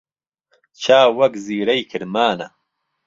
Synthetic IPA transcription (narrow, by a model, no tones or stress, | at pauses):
t͡ɕʰaːwɐkziːɾɐjkʰiɾmaːnɐ̰